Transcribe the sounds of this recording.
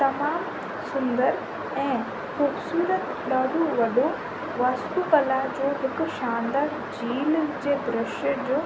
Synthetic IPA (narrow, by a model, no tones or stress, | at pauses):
t̪ɐmaːm | sʊ̃nd̪əɾ | ɛ̃ː | xuːbsuːɾət̪ | ɗaːɽoʋɐɗo | ʋaːst̪uːpɐlaːɦɪd͡ʑoːɦɪkʊ̆ʃãːnd̪aː | d͡ʑiːld͡ʑeːd̪ɾɪʃəd͡ʑoː